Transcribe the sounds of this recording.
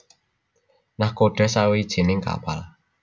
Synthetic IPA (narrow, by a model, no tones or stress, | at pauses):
nahkoɖ̥ɛ̤sawid̥ʒ̥e̤nɪŋka̰pal